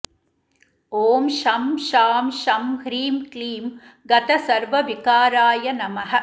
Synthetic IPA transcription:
oːmʃɐmʃaːmʃɐmhɾiːmkliːm | ɡɐt̪ɐsɐɾʋɐʋikaːɾaːjɐnɐmɐɦɐ̆

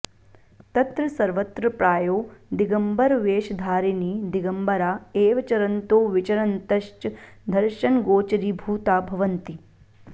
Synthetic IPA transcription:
t̪ɐt̪ɾɐsɐɾʋɐt̪ɾɐpɾaːjoːd̪iɡɐmbɐɾʋeːʃɐd̪ʱaːɾiniːd̪iɡɐmbɐɾaːeːʋɐt͡ʃɐɾɐnt̪oːʋɪt͡ʃɐɾɐnt̪ɐʃt͡ʃd̪ʱɐɾʃɐnɡoːt͡ʃɐɾiːbʱuːt̪aːbʱɐʋɐnt̪i

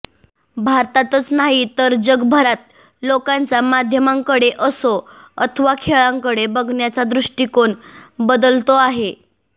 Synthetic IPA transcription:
bʱaɾt̪at̪ət͡snaɦit̪əɾd͡ʑəɡbʱəɾat̪̚ | lokant͡samad̪ʱjəmaŋkəɽeʔəso | ət̪ʰəʋakʰeɭãŋkəɽebəɡʱɳjat͡sad̪ɾuʂʈikoɳbəd̪əlt̪oaɦe

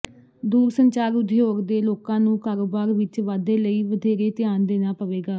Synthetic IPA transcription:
d̪uːɾsəɲt͡ʃaːɾʊd̪ʱɪjoːɡd̪eːloːkãːnũːkaːɾoːbaːɾʋɪt͡ʃʋaːd̪eːləiːʋəd̪ʱeːɾeːt̪ɪjaːnd̪eːnãːpəʋeːɡaː

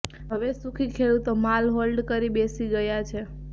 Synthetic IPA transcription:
ɦəʋesukʰikʰeɭut̪omalɦolɖkəɾibesiɡəjat͡ʃʰe

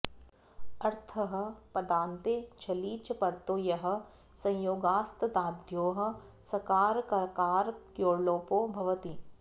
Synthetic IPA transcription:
ɐɾt̪ʰɐɦɐ̆pɐd̪aːnt̪et͡ʃʰɐliːt͡ʃpɐɾt̪oːjɐɦɐ̆ | sɐ̃j̃joːɡaːst̪ɐd̪aːd̪ʱjoːɦɐ̆ | sɐkaːɾkɐɾɐkaːɾkjoːɾloːpoːbʱɐʋɐt̪i

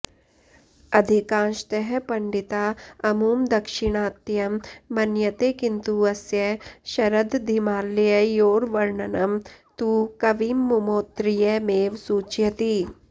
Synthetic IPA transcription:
ɐd̪ʱikãːʃt̪ɐɦɛpɐɳɖit̪aːɐmuːmd̪ɐkʃɪɽ̃aːt̪jɐmːɐnjɐt̪ekɪnt̪uɐsjɐʃɐɾɐd̪d̪ʱimaːlːjɐjoːɾʋɐɾɳɐnɐmt̪ukɐʋiːmːumoːt̪ɾijɐmeːʋsuːt͡ʃjɐt̪i

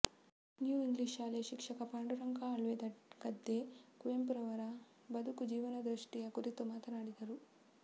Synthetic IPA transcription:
njuːiŋɡliːʃaːlɐjɐʃikʂɐkɐpaːɳɖuɾɐŋkaɐɭʋed̪ɐkɐd̪ːekujempuɾɐʋɐɾɐ | bɐd̪ʱukud͡ʒiːʋɐnɐd̪ɾuʂʈijɐkuɾit̪umaːt̪ɐnaːɽid̪ɐɾu

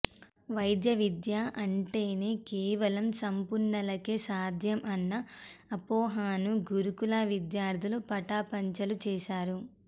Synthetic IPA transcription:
ʋɐjd̪jɐʋid̪jaʔɐɳʈeːne̞ːkɛːʋɐlɐmsɐmpuɾɳɐlɐkeːsaːd̪ʱjɐmɐnːɐːpoːɦaːnuɡuɾukulaːʋid̪jaːɾd̪ʰʱɐlupɐʈaːpɐɲt͡ʃɐlut͡ʃɛːʃaːɾu

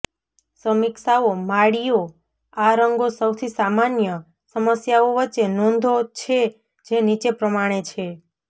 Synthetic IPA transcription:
səmɪksaomaɽijo | aɾəŋɡosəwt̪ʰisamanjə | səməsjaoʋətːʃenɔ̃nd̪ʱot͡ʃʰe | d͡ʒenit͡ʃepɾəmaɽ̃et͡ʃʰe

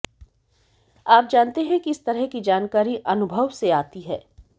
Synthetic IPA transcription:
aːp̚d͡ʒaːnt̪eɦɛ̃kiɪst̪ɐɾəɦkid͡ʒaːnkaːɾiʔɐnʊbʱəʋseaːt̪iɦɛː

